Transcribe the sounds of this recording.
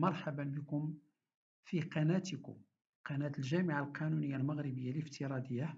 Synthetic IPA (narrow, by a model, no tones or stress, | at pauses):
mɑɾˤħabanbəkʊm | fiqɑnæt̪ikʊ̰ | qɑnæt̪əlʒæmɪʕalqɑnunəjːalməɣɾibəjːaləft̪əɾˤɑd̪əjːa